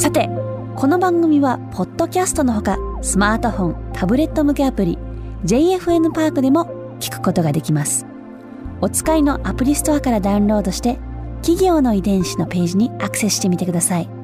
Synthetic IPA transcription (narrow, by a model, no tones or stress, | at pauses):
sat̪e̞ | kʰo̞no̞bãŋɡɯ̟mʲiβapʰo̞t̪ːo̞kʲasɨ̥t̪o̞no̞ɦo̞kasɨmaːt̪o̞ɸõ̞nt̪ʰabɯ̟ɾe̞t̪ːo̞mɯ̟ke̞apɯ̟ɾʲḭ | d͡ʑe̞ie̞ɸɯ̟e̞mɯ̟paːkɯ̟d̪e̞mo̞ | kʲi̥kɯ̟̥ko̞t̪o̞ɡad̪e̞kʲimasɨ̥ | o̞t͡sɨ̥kaino̞ʔapɯ̟ɾʲisɨ̥t̪o̞akaɾad̪aɯ̃nɾo̞ːd̪o̞ɕi̥t̪e̞kʲiɡʲo̞ːno̞id̪ẽ̞ɰ̃ɕino̞pe̞ːʑiɲ̟iakɯ̟̥sesɨɕi̥t̪e̞mʲit̪e̞kɯd̪asai